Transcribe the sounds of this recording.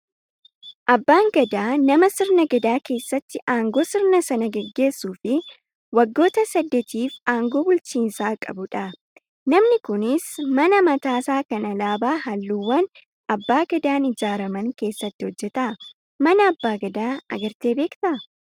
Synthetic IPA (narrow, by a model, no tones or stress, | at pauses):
ʔɐbːaːŋɡɐd̪aːnɐmɐsɪɾnɐɡɐd̪aːke̞ːsːɐt̪ːɪʔaːŋɡoːsɪɾnɐsɐnɐɡɛɡːe̞ːsːuːfɪ | wɐɡːo̞ːt̪ɐsɐd̪ːɛt̪iːfaːŋɡo̞ːbʊlt͡ʃiːnsaːkʼɐ̰bʊᶑɐ | nɐmnɪkʊnɪsmɐnɐmɐt̪aːsaːkɐnɐlaːbaːɦɐlːuːwːɐn | ɐbːaːɡɐd̪aːnɪd͡ʒaːɾɐmɐŋke̞ːsːɐt̪ːɪhɔd͡ʒːɛt̪ɐ | mɐnɐːbːaːɡɐd̪aːɐ̰ɡɐɾt̪e̞ːbe̞ːkt̪ɐ